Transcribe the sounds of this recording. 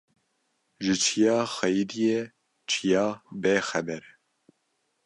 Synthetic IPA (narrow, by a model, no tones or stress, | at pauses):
ʒɨt͡ʃʰijɑːxɛjid̪ijɛ | t͡ʃʰijɑːbeːxɛbɛɾ